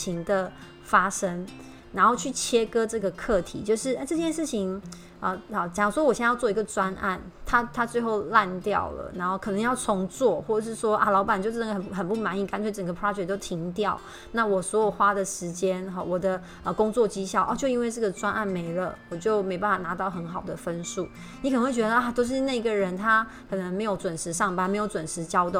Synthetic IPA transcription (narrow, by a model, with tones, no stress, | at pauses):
i˧˥ŋd̪ə˨ | fa˥ʂə˥ŋ | na˧˥nxo˥˧ʊt͡ɕʰy˥˩t͡ɕʰjɛ˥kɤ˥ʈ͡ʂɤ˥˩ɡə˩kʰɤ˥˩t̪ʰḭ˨˩t͡ɕjo˥˧ʊʂɻ̩˥˩a˥ʈ͡ʂɤ˥˧t͡ɕjɛ˥˧nʂɻ̩˥˩t͡ɕʰi˧˦ŋ | ə˧˩˨t͡ɕjŋʂwɔ˥wɔ˨˩ɕjɛ˥˧jɑ˥˧ʊt͡swɔ˥˩i˧˥ɡə˨t͡swa˦˥nʔa̰˥˩nt̪ʰa˥t̪ʰa˥t͡swe˥˧ɪxo˥˧ʊla˥˧nt̪jɑ̰˥˩ʊlə̰˩na˧˥nxo˥˩ʊkʰɤ˨˩nɤ˧˦ŋjɑ˥˩ʊt͡sʰʊ˧˥ŋt͡swɔ˥˩xwɔ˥˩ə˨˩ʂɻ̩˥˩ʂwɔ˥ʔa̰˧lɑ˧˥ʊpa˨˩nt͡ɕo˥˧ʊʈ͡ʂɤ˥˩ə˨˩xə˨˩xə˨˩npu˥˩ma˧˥ni˨˩ka˥nsʰe˥ɪʈ͡ʂə˨˩ŋɡə˩pʰɹɑ˦˥d͡ʒɛ˨˩k̚t̪o˥ʊt̪ʰi˧˥ŋt̪jɑ˥˩ʊ | na˥˩wɔ˨˩swɔ˧˥jo˨˩ʊxwa˥d̪ə˨ʂɻ̩˧˥t͡ɕjɛ˥nɦɔ̰˥˩wɔ˨˩d̪ə˦ | ə˧kʊ˥ŋt͡swɔ˥˨˩t͡ɕi˥ɕjɑ˥˩ʊʔɔ̰˥˧˩t͡ɕjo˥˧ʊi˥nwe˥˧ɪʈ͡ʂɤ˥˩ɡə˩t͡swa˥nʔa˥˩nme˧˥ɪlə˧wɔ˨˩t͡ɕjo˥˩ʊme˧˥ɪpa˥˩n˩fa˨˩na˧˥t̪ɑ˥˩ʊxə˧˥nxɑ˨˩ʊd̪ə˦fə˦˥nʂṵ˥˩ | ni˧˥kə˨nə˧˦ŋwe˥˩t͡ɕɥd̪ə˧ʔa˥˩t̪o˥ʊʂ̬ɻ̩˥˧na˥˩i˧˥ɡə˨˩ɻə˧˦nt̪ʰa˥ | kʰɤ˨˩nə˧˥ŋme˧˥ɪjo˧˥ʊt͡swə˨˩nʂʰɻ̩˧˥ʂɑ˥˩ŋpa˧nme˧˥ɪjo˧˥ʊt͡swə˨˩nʂʰɻ̩˧˥t͡ɕjɑ˥ʊt̪